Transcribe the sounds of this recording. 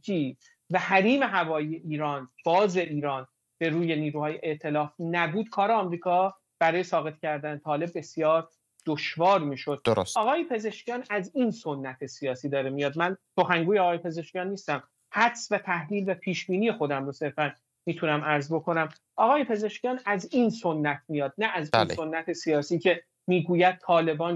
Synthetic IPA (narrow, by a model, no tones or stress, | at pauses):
iː | væhæɾiːme̞ɦævɒːije̞ʔiːɾɒːnb̥ɒːze̞ʔiːɾɒːn | be̞ɾuːje̞niːɾuːhɒːjeʔeʔt̪ʰe̞lɒːfnæbuːd̪̥̚kʰɒːɾeɒːmɾiːkʰɒː | b̥æɾɒːjesɒːɣe̞t̪cʰæɾd̪ænet̪ʰɒːle̞b̚ːe̞sijɒːɾ | d̪̥oʃvɒːɾmiːʃo̞d̪̚dosɒːɣɒːjepʰe̞ze̞ʃcʰijɒːnæziːnso̞nːæt̪ʰe̞sijɒːsiːd̪ɒːɾemijɒd̪̚mænso̞xæŋɡuːjeɒːɣɒːjepʰe̞ze̞ʃcijɒːnːiːst̪æm | hæt̪svæt̪ʰæhliːlvæpʰiːʃbiːniːjexo̞d̪æmɾose̞ɾfæn | miːt̪ʰunæmæɾzbo̞kʰo̞næm | ʔɒːɣɒːje̞pʰe̞ze̞ʃcijɒːnæziːnso̞nːæt̪ʰmijɒːd̪̚næʔæzinso̞nːæt̪ʰesijɒːsiːcʰe̞ | miːɡuːjæd̪̚t̪ʰɒːle̞bɒːn